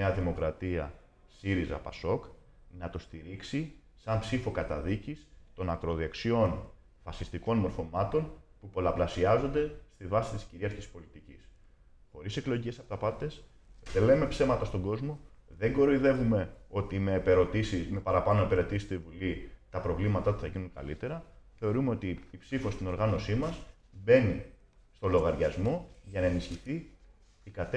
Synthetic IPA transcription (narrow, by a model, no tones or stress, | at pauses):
neɐðimo̞kɾɐt̪iɐ̰ | siɾizɐ̰pɐ̰so̞k | nɐt̪o̞st̪iɾiksi | sɐmpsifo̞kɐt̪ɐðicist̪o̞nɐkɾo̞ðeksio̞n | fɐsist̪iko̞nmo̞ɾfo̞mɐt̪o̞npupo̞lɐplɐsiɐzo̞nd̪e̞st̪ivɐsi̥t̪i̥sciɾiɐɾçispo̞lit̪icis | xo̞ɾise̞klo̞ʝice̞sɐpot̪ɐpɐt̪e̞s | ðele̞me̞pse̞mɐt̪ɐst̪o̞ŋɡo̞zmo̞ | ðe̞ŋɡo̞ɾoiðe̞vume̞o̞t̪ime̞ːpeɾo̞t̪isisme̞pɐɾɐpɐnoepeɾe̞t̪isi̥st̪oivulit̪ɐpɾo̞vlimɐt̪ɐt̪u̥θɐʝinuŋkɐ̰lḭt̪e̞ɾɐθe̞o̞ɾumeot̪iːpsifost̪ino̞ɾɣɐno̞simɐs | be̞ni | st̪o̞lo̞ɣɐɾʝɐzmo̞ʝɐnɐenisçiθi | ikɐt̪e